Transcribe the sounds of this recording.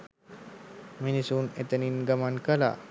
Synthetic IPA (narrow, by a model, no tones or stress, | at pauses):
minisunet̪əninɡamankəla̰